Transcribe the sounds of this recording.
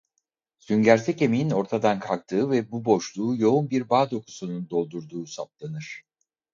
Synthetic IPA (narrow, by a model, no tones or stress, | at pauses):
syɲɟæɾt̪ʰɛce̞mejino̞ɾt̪ʰad̪ankʰak̚t̪ʰɯːvɛbubo̞ʃlˠuːjo̞unbiɾbaːd̪o̞ku̥sunund̪o̞lˠd̪uɾd̪uːsaplˠanɯɾ̥